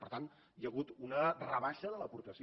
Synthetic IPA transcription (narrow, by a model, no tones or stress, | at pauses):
pəɾt̪an | jəɣ̞ut̪unərəβaʃəðələpuɾt̪əsi